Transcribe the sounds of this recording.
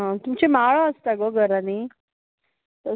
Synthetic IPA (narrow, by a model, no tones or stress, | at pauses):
ɦãt̪umt͡ɕemaɭaəst̪aɡəɡəɾani | t̪ə